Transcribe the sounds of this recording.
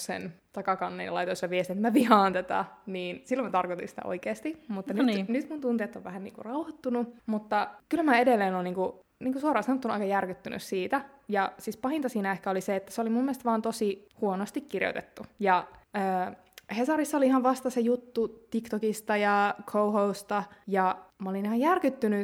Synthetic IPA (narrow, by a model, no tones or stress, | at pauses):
sḛnt̪ɑkɑkɑnːḛlɑ̰ijt̪osːɑʋiest̪inet̪mæʋihɑːnt̪æt̪æ̰niːnsilːomæt̪ɑrkot̪ḭnsi̥t̪æ̰ʔo̰ikeːst̪imut̪ːɑnynyt̪munt̪unt̪iet̪ːoʋʋæhænnḭːŋkṵrɑuhɑt̪ːunumut̪ːɑkylmæedelːeːnoːniːŋku | niːŋkusuoɾɑːsɑnot̪ːunuɑ̰ikɑjærkyt̪ːyny̰ssiːt̪æjɑsiːspɑhint̪ɑsiːnæehkæoliseet̪ːæseolimumːielst̪ʋɑːnt̪osihuonost̪ikkirjo̰t̪ḛt̪ːujɑəː | hesɑrisːɑoliihɑʋʋɑst̪ɑsejut̪ːut̪ikt̪okist̪ɑjɑkʰouɦoust̪ɑjɑmɑolinihɑjærkyt̪ːyny